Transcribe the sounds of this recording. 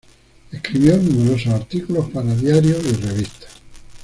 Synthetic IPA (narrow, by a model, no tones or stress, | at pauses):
ehkɾiβjonumeɾososaɾt̪ikulo̞hpaɾaðjaɾjoireβ̞ist̪ḁ